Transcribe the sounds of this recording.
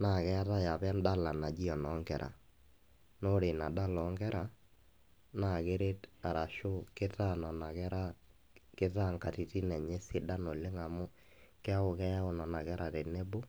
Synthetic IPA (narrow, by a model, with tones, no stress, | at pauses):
na˨kɛ˦a˦ta˦ja˨pɛ˦nda˦˨la˨na˨d͡ʒi˦ɔ˨nɔ˨˦ŋɡɛ˨ɾʔa̰˨ | no˦ɾe˨na˨da˦lɔ˨˦ŋɡɛ˦ɾa˨ | na˨ke˦ɾe˦ta˨ɾa˨ʃʊ˦kɪ˦ta˦nɔ˨na˨kɛ˦ɾa˦ | kɪ˦ta˦˨ŋka˨ti˨ti˦nɛ˨ɲɛ˦sɪ˦da˦no˨lɪ˦ŋa˨mʊ˦ | kɛ˦a˦ʊ˨kɛ˦ja˦ʊ˨nɔ˨na˨kɛ˦ɾa˨te˨nɛ˦bʊ˦